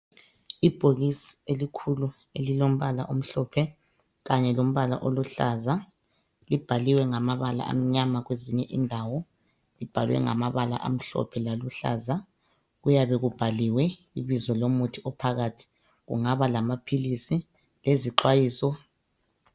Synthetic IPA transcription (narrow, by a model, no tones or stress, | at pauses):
ib̥ʱoɣisi̥elikʰulu | elilom̩βala̰ʔom̩ɬɔpʰɛ | ɣaɲɛlom̩βala̰ʔoluɬaza | lib̥ʱaliwɛŋamaβala̰ʔa̰m̩ɲamaɣweziɲɛʔindʱawɔ | lib̥ʱalwɛ̰ŋa̰maβala̰ʔam̩ɬɔ̰pʰɛlaluɬa̰za | ɣujaβɛɣub̥ʱaliwɛ | iβizɔlomutʰiʔɔpʰaɣaːtʰi̥ | ɣṵŋaβalamapʰilisi | leziǃwajiːsɔ